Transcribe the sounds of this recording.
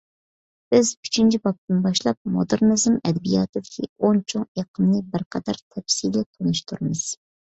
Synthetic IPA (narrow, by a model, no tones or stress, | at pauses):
b̥ɪzy̥t͡ʃʰint͡ʃʰibɑp̚t̪ɪnbɑʃlˠɑp̚mo̰d̪ɨɾnɨzɨmɛd̪ɛbijɑ̰ːt̪ɨd̪ɪkʲʰiont͡ʃʰoŋeqʰəmnɨbɪɾqʰɑd̪ɑɾt̪ʰɛpsilɪt̪ʰonuʃt̪ʰuɾɨmɨz̥